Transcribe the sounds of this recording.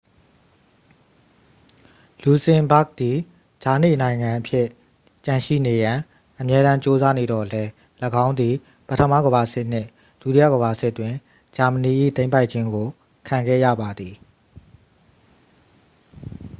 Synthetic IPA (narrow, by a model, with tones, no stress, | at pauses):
lu˨sɪ̃˨mba˦˨k̚d̪̥i˨ | d͡ʑa˨nḛ˦˨nã˨ɪ̃ŋã˨ʔəpʰjɪ˦˨ | t͡ɕã˨ʃḭ˦˨ne˨jã˨ | ʔəmjɛ˦ɾã˦ɲt͡ɕo˦za˦ne˨dɔ̰˦˨lɛ˦ | ləɡã˦ʊ̃nd̪i˨ | pə˦tʰəmä̰˦˨ɡəba˨sɪ˦ʔn̥ɪ˦˨ | l̥u˨ti˦jä̰˦˨ɡə˨ba˨sɪ˦ʔtːwɪ̃˨ | d͡ʑa˨məni˨ʔḭ˦˨t̪ẽ˦ɪ̃mpa˦ɪʔt͡ɕʰɪ̃˦ŋɡo˨ | kʰã˨ŋɡɛ̰˦˨jä̰˦˨ba˨d̪i˨